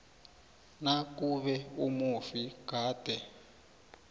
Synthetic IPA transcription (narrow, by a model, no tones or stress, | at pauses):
nakuβɛumufiɡ̥ʱaːd̥ʱɛ